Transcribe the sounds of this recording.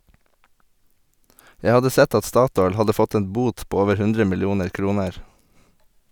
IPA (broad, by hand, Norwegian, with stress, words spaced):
ˈjæ ˈhɑdə ˈsɛt ˈɑt ˈstɑːˌtɔʏl ˈhɑdə ˈfɔt ˈeːn ˈbuːt ˈpoː ˈoːʋəɾ ˈhʉndɾə mɪlˈjuːnəɾ ˈkɾuːnəɹ